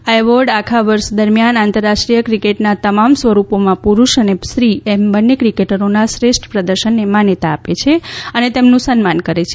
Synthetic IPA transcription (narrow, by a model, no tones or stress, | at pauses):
aeʋəɾɖakʰaʋəɾʃd̪əɾmjanant̪əɾːaʃʈɾijəkɾikeʈnat̪əmamsʋəɾupomãpuɾuʃənesɾiembənːekɾikeʈəɾonasɾesʈʰpɾəd̪əɾʃənːemanet̪aːpet͡ʃʰeənet̪emnũsənmankəɾet͡ʃʰe